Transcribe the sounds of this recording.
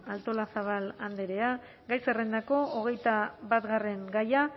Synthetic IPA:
alt̪o̞lasaβ̞aland̪e̞ɾe̞a | ɡajserend̪ako̞oɣ̞e̞jt̪aβat̪ɣare̞ŋɡaja

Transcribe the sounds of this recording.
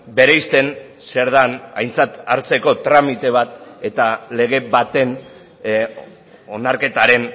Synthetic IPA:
be̞ɾejst̪e̞n | se̞ɾð̞ana̰jnt͡sat̪aɾt͡se̞ko̞t̪ɾamit̪e̞β̞at̪e̞t̪ale̞ɣ̞e̞βat̪e̞n | o̞naɾke̞t̪aɾe̞n

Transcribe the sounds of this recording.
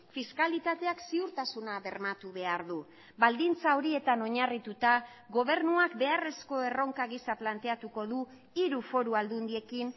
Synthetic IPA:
fiskalit̪at̪e̞aksiuɾt̪asunaβe̞ɾmat̪uβe̞aɾðu | bald̪int͡saoɾie̞t̪ano̞ɲarit̪ut̪aɣo̞β̞e̞ɾnuakbe̞are̞sko̞e̞ro̞ŋkaɣisaplant̪e̞at̪uko̞ðu | iɾufo̞ɾuald̪und̪ie̞kin

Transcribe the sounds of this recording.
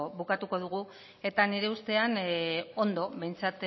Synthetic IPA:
βukat̪uko̞ð̞uɣ̞u | e̞t̪aniɾe̞ust̪e̞ano̞nd̪o̞βbe̞jnt͡sat̪

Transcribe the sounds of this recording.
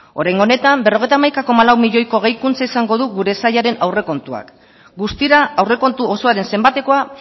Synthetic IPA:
o̞ɾajŋɡo̞ne̞t̪ambe̞roe̞jt̪amajkako̞malawmiʎo̞jko̞ɣ̞e̞jkunt͡saisaŋɡo̞ðuɣuɾe̞sajaɾe̞nawre̞ko̞nt̪ua̰k | ɡust̪iɾaːwre̞ko̞nt̪uoso̞aɾe̞nse̞mbat̪e̞ko̞a

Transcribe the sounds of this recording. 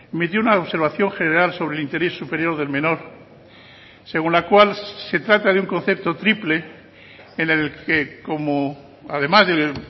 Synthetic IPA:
emit̪̬jounaoβse̞ɾβaθjo̞ŋxe̞neɾalso̞βɾe̞lint̪eɾe̞sːupeɾjo̞ɾðe̞lmẽ̞no̞ɾ | se̞ɣunlakwalse̞t̪ɾat̪aðeuŋko̞nθe̞p̚t̪o̞t̪ɾiple̞ | enelkeko̞mo | aðe̞mazðe

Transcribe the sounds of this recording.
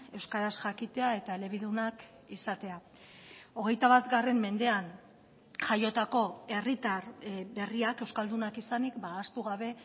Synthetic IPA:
e̞wskaɾasʝakit̪e̞ae̞t̪ae̞le̞β̞iðunak | isat̪e̞a | o̞ɣ̞e̞jt̪aβat̪ɡare̞mːe̞nd̪e̞an | ʝajo̞t̪ako̞e̞rit̪aɾbe̞riake̞wskald̪unakisanikbaːst̪uɣaβ̞e̞

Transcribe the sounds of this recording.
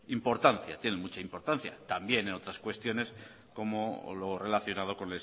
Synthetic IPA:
impo̞ɾt̪anθja̰t̪je̞nemut͡ʃaimpo̞ɾt̪anθja̰t̪ambje̞neno̞t̪ɾaskwe̞st̪jo̞ne̞s | ko̞molo̞re̞laθjo̞nað̞o̞ko̞nles

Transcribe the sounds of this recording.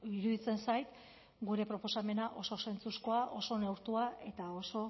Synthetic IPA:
iɾuðit͡se̞nsajt̪ | ɡuɾe̞pɾo̞po̞same̞naʔo̞so̞se̞nt͡susko̞aʔo̞so̞ne̞wɾt̪uae̞t̪ao̞so̞

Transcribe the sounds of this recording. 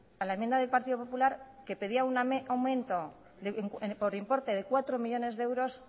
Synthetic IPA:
alaemje̞nd̪aðelpaɾt̪iðo̞p̬opulaɾke̞pe̞ðiaunawmẽ̞nt̪o̞ | ðeŋkpo̞ɾimpo̞ɾt̪e̞ðe̞kwat̪ɾo̞miʎo̞ne̞zðeewɾo̞s

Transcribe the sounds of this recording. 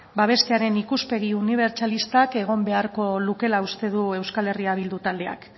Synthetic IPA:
baβ̞e̞st̪e̞aɾe̞nikuspe̞ɣ̞iuniβ̞e̞ɾt͡ʃalist̪ake̞ɣ̞o̞mbe̞aɾko̞luke̞laust̪e̞ðue̞wskale̞riaβild̪ut̪ald̪e̞a̰k

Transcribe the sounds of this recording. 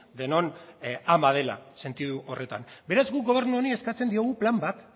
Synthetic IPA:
d̪e̞no̞namað̞e̞la̰se̞nt̪iðuʔo̞re̞t̪a̰mbe̞ɾazɡukɡo̞β̞e̞ɾnuonieskat͡se̞nd̪io̞ɣuplambat̪

